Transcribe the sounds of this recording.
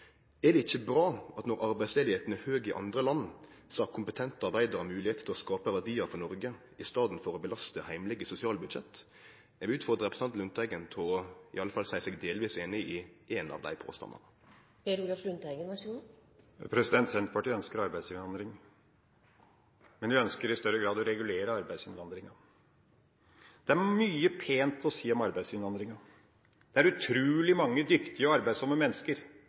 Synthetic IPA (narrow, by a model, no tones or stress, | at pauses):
æd̪ɛɪçːəbɾɑːɑt̪nɔɾɑɾbæɪsleːd̪ɪheːt̪n̩əhøːɡɪʔɑ̰nd̪ʁəlɑnː | sɑːkʰʊmpət̪ʰɛnt̪əɑʁbæɪd̪əʁɑmʉːlɪheːt̪t̪ʰɪlɔskɑːpəʋæɖ̪iːəɾfɔnɔɾɡə | ɪst̪ɑːd̪n̩fɔɾɔbəlɑst̪əhæɪmlɪɡəsʊsɪɑːlbʉd̪ʃɛt̪ː | æʋʉːt̪fɔʁd̪ʁəʁɛpɾsɑnt̪lʉnt̪ʰæɪɡənt̪ʰɔɪ̰ɑlːəfɑlsæɪsɛɡd̪eːlʋiːseːnɪɪʔeːnɑ̰ʋd̪æ̰ɪpʰo̰ːst̪ɑ̰nːə̰ʁ | eɾuːlɑflʉnt̪æɪɡənʋæʂu | pʰɾɛsɪd̪ɛnt̪sɛnt̪pʰɑʈiːœnskəɾɑɾbæɪsʏnʋɑnd̪ɾɪŋ | mɛnʋɪœnskəɾɪst̪œɾəɡɾɑːd̪ɔɾɛɡʉleːɾəɑɾbæɪd̪sʏnʋɑnd̪ɾɪŋɑ | d̪̥ɛæɾmyːəpʰeːnt̪ɔsiːɔmɑɾbæɪsʏnʋɑnd̪ɾɪŋɑ | d̪̥ɛæɾʉt̪ʰɾʉːlɪmɑŋːəd̪ʏkt̪ɪəɑɾbæɪsɔmːəmɛnːəskəɾ